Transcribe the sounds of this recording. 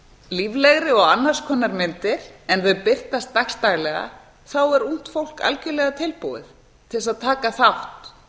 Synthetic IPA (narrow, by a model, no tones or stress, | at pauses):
livlɛɣɾɪɔɣanːḁskʰɔnːaɾmɪnt̪ɪɾ̥ɛnθœɥpɪr̥t̪ast̪ːakst̪aɣlɛɣa̰ | θawɛɾun̥t̪fowl̥ka̰lcʏlɛɣat̪ʰɪlpuwðɪ̰θ | t̪ʰɪlsaðt̪ʰaːkaθawht̪